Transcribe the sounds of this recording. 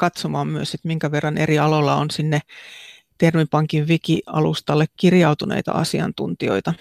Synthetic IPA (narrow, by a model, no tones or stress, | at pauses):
kɑt̪somɑːmmyøsit̪miŋkæʋerːɑneriɑlolːɑonsinːe | t̪ermipɑŋkiʋʋikiɑ̰lust̪ɑlːekkirjɑut̪unḛit̪ɑ̰ɑ̰siɑ̰nt̪unt̪io̞̰it̪ɑ